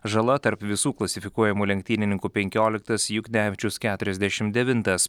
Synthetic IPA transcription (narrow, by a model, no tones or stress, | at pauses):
ʒɐlˠɐt̪ɐɾpʋʲɪsuːklˠɐsʲɪfʲɪkuɔjɛmuːlʲɛŋkt̪ʲiːnʲɪnʲɪŋkuːpʲɛŋʲkʲoːlʲɪk̚t̪ɐsjʊɡnʲæːʋʲɪt͡ʃʲʊskʲæːt̪ʊɾʲɛzʲd̪ʲæʃʲɪmd̪ʲɛʋʲɪnt̪ɐs